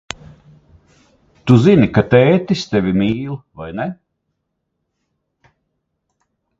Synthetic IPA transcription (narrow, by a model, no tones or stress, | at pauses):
t̪uzinikat̪ɛːt̪ʲist̪ɛvʲimiːlˠvajnɛ